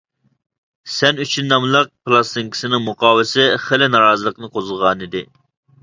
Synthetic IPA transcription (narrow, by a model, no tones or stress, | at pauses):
sɛnyt͡ʃʰynːɑmlˠəq̚plˠɑst̪iŋkʲʰi̥sɪnɪŋmuqʰɑːwɪsɪχelɪnɑɾɑːzɨlˠəqnɨqʰozəʁɑːnid̪ɪ